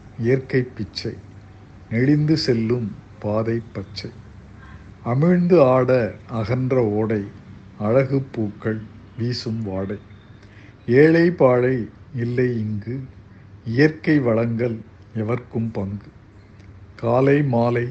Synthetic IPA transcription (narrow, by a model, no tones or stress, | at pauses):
ɪjɐɾkɐɪpːɪt͡ʃːɐɪ | nɛɻɪnd̪ɯsɛlːɯmpaːðɐɪpːɐt͡ʃːɐɪ | ɐmɪɻnd̪ɯaːɽɐɐɣɐnd̪rɐoːɽɐɪ | ɐɻɐɣɯpːuːkːɐɭ | ʋiːsɯmʋaːɽɐɪ | eːɻɐɪpaːɻɐɪɪlːɐɪɪŋɡɯ | ɪjɐɾkɐɪʋɐɭɐŋɡɐl | ɛʋɐɾkɯmpɐŋɡɯ | kaːlɐɪmaːlɐɪ